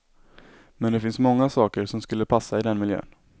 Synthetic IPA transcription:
mɛnd̪ɛfɪnsmɔŋːasɑːkəɾsɔmskɵlːəpʰasːaɪd̪ɛnmɪljø̰ːn

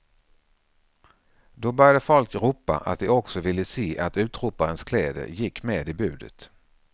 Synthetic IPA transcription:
d̪ɔbœɾjad̪əfɔlkɾuːpːa̰ʔa̰t̪̚d̪ɛɔksɔvɪlːəseːʔat̪ʉ̟ːt̪ɾuːpaɾənskʰlɛːd̪ə̰jɪkːmeːd̪ɪbʉ̟ːd̪ə̰t̪

